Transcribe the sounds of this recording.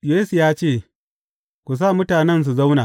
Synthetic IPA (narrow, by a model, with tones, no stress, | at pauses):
je˦si˨jaː˦t͡ʃeː˦˨ | kʷu˨s̬aː˦˨mʊ˦taː˨nɛ˦ns̬u˨za˦wnaː˨